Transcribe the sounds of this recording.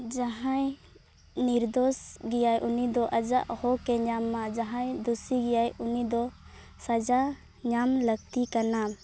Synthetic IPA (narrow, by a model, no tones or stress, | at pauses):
d͡ʒaɦãj | niɾd̪ɔsɡɛjajʔunid̪ɔʔad͡ʒa̰ʔhɔkɛɲamːad͡ʒaɦãjd̪usiɡɛjajunid̪ɔ | sad͡ʒa | ɲamləɡ̚t̪ikana